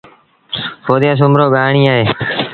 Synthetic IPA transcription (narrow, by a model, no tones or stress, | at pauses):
pʰoːd̪jaːs̬ʊmɾoːɠaːɳiːaːɦeː